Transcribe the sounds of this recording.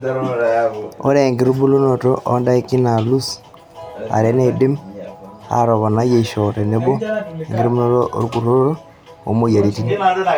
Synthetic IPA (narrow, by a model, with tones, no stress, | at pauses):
o̰˦ɾeː˨ŋɡi˨ɾu˦bu˦lu˦no˨to̰˦ʔo˦nda˦i˦ki˦na˨lu˦s | a̰˨ɾe˦ne˦di˦m | a̰˨ɾo˨βo˨na˦je˨ʃo˨te˨ne˦bo˦e˨ŋɡe˦ɾu˦bu˦no˦toʔɾu˦ku˨ɾo˦ɾo˦ | o̰˨mo˦ja˨ɾi˦ti˦ni